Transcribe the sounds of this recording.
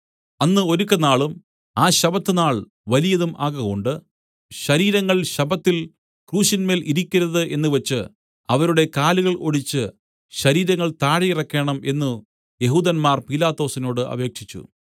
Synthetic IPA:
ɐnːɨo̞ɾukʲːɐnaːɭum | aːɕɐbɐt̪ːɨnaːɭ | ʋɐlijɐðumʔaːɣɐɣo̞ɳɖɨ | ɕɐɾiːɾɐŋːɐɭɕɐbɐt̪ːil | kruːɕinme̞ːliɾikʲːiɾɐðɨʔe̞nːɨʋɐt͡ɕːɨ | ɐʋɐɾuɽe̞kaːluɣɐɭoɽit͡ɕːɨ | ɕɐɾiːɾɐŋːɐɭt̪aːɽijirɐkːeːɳɐme̞nːu | je̞ɦuːd̪ɐnmaːrpilaːt̪ːo̞ːsino̞ːɽɨʔɐ̰be̞ːkʂit͡ɕːṵ

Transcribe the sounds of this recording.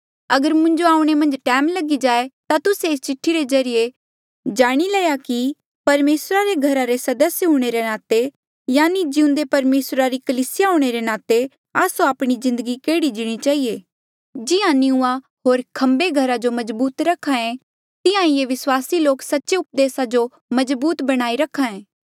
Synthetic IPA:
ɐɡəɾmʊ̃ɲd͡ʒoaːũɽ̃emɐ̃nd͡ʒʈɛːmlɐɡid͡ʒaːet̪at̪ʊseɪst͡ʃɪʈʰːiɾezɐɾije | d͡ʒaːɽ̃ilɛːjaki | pɐɾmeːsɾaɾeɡʱɐɾaɾesɐd̪əsjɦũːɽ̃eɾenaːt̪e | jaːnid͡ʒɪʊ̃nd̪epɐɾmeːsɾaɾikɐlisɪjaɦoɽ̃eɾenaːt̪e | aːsoaːpɽ̃izɪ̃nd̪əɡikeːɽid͡ʒɪɽ̃it͡ʃaːɦieː | d͡ʒɪjãnɪũa | ɦoːɾkʰɐ̃mbeɡʱɐɾad͡ʒomɐzbuːt̪ɾɐkʰːãẽ | t̪ɪãɪjeʋɪswaːsiloːksɐtːʃeʊp̚d̪eːsad͡ʒo | mɐd͡ʒbuːt̪bɐɽ̃aːiɾɐkʰːãẽː

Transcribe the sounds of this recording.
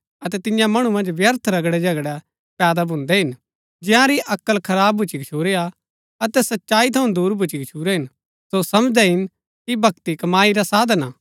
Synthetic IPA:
ɐt̪ɛt̪ɪjãmɐɽ̃umɐ̃nd͡ʒʋjɐɾt̪ʰɾɐɡɽɛd͡ʒɐɡɽɛ | pɛːd̪abʱʊ̃nd̪ɛɦɪn | d͡ʒɪjãɾiʔɐkːəlkʰɐɾaːbbʱʊt͡ʃikt͡ʃʰuːɾea | ɐt̪ɛsɐtːʃaːit̪ʰɐũnd̪uːɾbʱʊt͡ʃikt͡ʃʰuːɾɛɦɪn | sosɐmd͡ʒd̪ɛɦɪn | kibʱɐkt̪ikɐmaːiɾasaːd̪ʱna

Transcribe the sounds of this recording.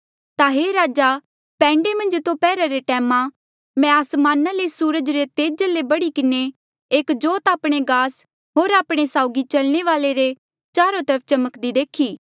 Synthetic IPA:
t̪aɦeːɾaːd͡ʒa | pɛ̃ːɳɖemɐ̃nd͡ʒt̪opɛːɾaɾeʈɛːmã | mɛ̃aːsmaːnalesuːɾəd͡ʒɾet̪eːd͡ʒalebɐɽikɪne | eːkd͡ʒoːt̪aːpɽ̃eɡaːs | ɦoːɾaːpɽ̃esaːʊɡit͡ʃɐlɽ̃eʋaːleɾe | t͡ʃaːɾot̪ɐɾəp̚ʰt͡ʃɐməkd̪id̪eːkʰiː

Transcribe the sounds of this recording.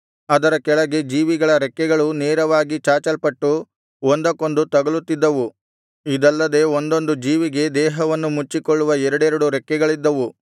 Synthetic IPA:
ɐd̪ɐɾɐkɛɭɐɡe̞d͡ʒiːʋiɡɐɭɐɾɛkːɛɡɐɭuneːɾɐʋaːɡit͡ʃaːt͡ʃɐlpɐʈːu | ond̪ɐko̞nd̪ut̪ɐɡɐɭut̪ːid̪ːɐʋu | id̪ɐlːɐd̪e̞ond̪o̞nd̪ud͡ʒiːʋiɡe̞d̪ɛːɦɐʋɐnːumut͡ʃːikoɭːuʋɐɛɾɐɽɛɾɐɽuɾɛkːɛɡɐɭid̪ːɐʋu

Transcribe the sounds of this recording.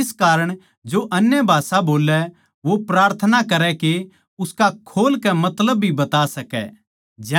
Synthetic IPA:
ɪskaːɾəɽ̃ | d͡ʒoʔɐnjəbʱaːsaboːlɛ | ʋopɾaːɾt̪ʰənakɐɾɛke | ʊskakʰoːlkɛmɐt̪ləbːʱibɐt̪asɐkɛ̰ | d͡ʒɛ

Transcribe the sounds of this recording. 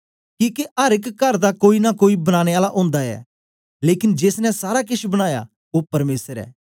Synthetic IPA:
kĩːkeʔɐɾɪkːɐɾd̪akoːinakoːibɐñaːɽ̃eaːlaʔõːnd̪aɛ̰ː | leːkɪnd͡ʒeːsnɛ̃saːɾak̬ɪʃbɐɽ̃aːja̰ | opɐɾmeːsəɾɛ̰ː

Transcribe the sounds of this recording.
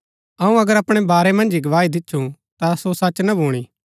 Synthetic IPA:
ɐũɐɡəɾɐpɽ̃ebaːɾemɐ̃nd͡ʒiɡɐʋaːid̪ɪtːʃʰũ | t̪asosɐt͡ʃnɐbʱoːɽ̃iː

